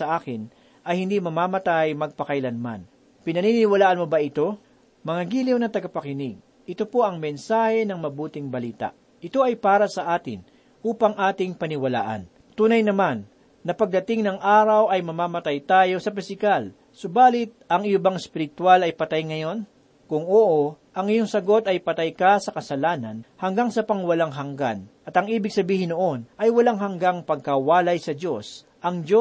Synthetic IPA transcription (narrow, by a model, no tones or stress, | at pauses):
ɐʔaːkɪn | ʔɐjhɪnd̪imɐmaːmɐt̪ajmɐɡ̚pɐkɐjlɐnma̰n | pɪnɐninɪwɐlaːʔɐnmobɐʔɪt̪o̞ | mɐŋaɡiːlɪwnɐt̪ɐɡɐpɐkɪnɪɡ̚ | ʔɪt̪o̞po̞ʔɐŋmɛnsaːhɛnɐŋmɐbuːt̪ɪŋbɐliːt̪ɐ̰ʔ | ʔɪt̪o̞ʔɐjpaːɾɐsɐʔaːt̪ɪ̰n | ʔuːpɐŋʔaːt̪ɪŋpɐnɪwɐla̰ːʔɐ̰n | t̪uːnɐjnɐmanː | ɐpɐɡ̚d̪ɐt̪ɪŋnɐŋʔaːɾɐwʔɐjmɐmaːmɐt̪ajt̪aːjo̞sɐpɪsɪkal | sʊbaːlɪt̪̚ʔɐŋɪjobɐŋɛspɪɾɪt̪walɐjpɐt̪ajŋɐjo̞n | kʊŋoːʔo | ʔɐŋɪjoŋsɐɡo̞t̪ɐjpɐt̪ajkɐsɐkɐsɐlaːnɐ̰nhɐŋɡaŋsɐpɐŋwɐlaŋɦɐŋɡa̰nɐt̪ɐŋʔiːbɪɡ̚sɐbiːhɪnoʔo̞nʔɐjwɐlaŋɦɐŋɡaŋpɐɡ̚kɐwaːlɐjsɐdo̞s | ʔɐŋd͡ʒo